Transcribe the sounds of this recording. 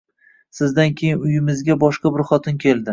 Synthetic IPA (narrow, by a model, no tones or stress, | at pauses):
sɪzd̪ankʲʰe̞jɪnʊjɪmɪzɡʲabɒʃqɑbɪɾχɒt̪ʰɪnkʲʰe̞lˠd̪ɪ